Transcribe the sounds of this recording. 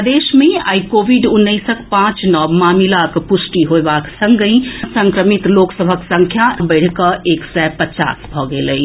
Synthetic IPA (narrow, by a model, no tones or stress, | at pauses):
d̪esmẽa̰ikobʱiɖʊnːəɪsəkpãt͡ʃnɔːbmamilakpʊsʈiɦoebaksə̃ŋɡəĩsə̃ŋkɾəmit̪loksəbʱəksə̃ŋkʰjabəɪɽ̤kəʔeksɛpət͡ʃa̰ːsbʱɔɡeːləi